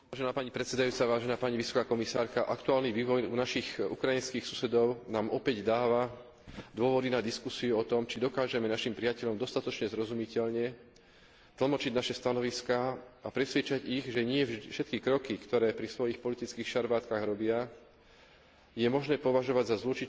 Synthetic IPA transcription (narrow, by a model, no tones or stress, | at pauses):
aːʒɛnaːpaɲipɾɛt̪sɛd̪ajuːt͡saʋaːʒɛnaːpaɲiʋisɔ̥kaːkɔmisaːɾkaʔakt̪uaːlniʋiːʋɔjunaʃixṵkɾajinskixsu̥sɛd̪ɔʊnaːmɔpɛɟd̪aːʋa | d̪ʊɔʋɔd̪inad̪iskusiuɔt̪ɔmt͡ʃid̪ɔkaːʒɛmɛnaʃimpɾiɪacɛʎɔmd̪ɔst̪at̪ɔt͡ʃɲɛzɾɔzumicɛʎɲɛ | t̪l̩ˠmɔt͡ʃiɟnaʃɛst̪anɔʋiskaːapɾɛsʋɪɛt͡ʃaɟiɣʒɛɲɪɛʒd̪ʃɛt̪̚kikɾɔkikt̪ɔɾɛːpɾisʋɔjixpɔlit̪it͡skiːxʃaɾʋaːt̪kaɣɾɔbɪa | jɛmɔʒnɛːpɔʋaʒɔʋaɟzazlut͡ʃi